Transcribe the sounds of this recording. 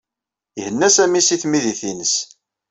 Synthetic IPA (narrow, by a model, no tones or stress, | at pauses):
hənːæsæmisiθmiðiθinəs